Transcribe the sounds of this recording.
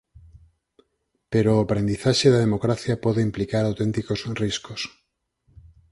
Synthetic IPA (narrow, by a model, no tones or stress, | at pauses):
peɾoapɾend̪iθaʃeðaðemokɾaθjapɔðeimplikaɾawt̪ent̪ikosriskos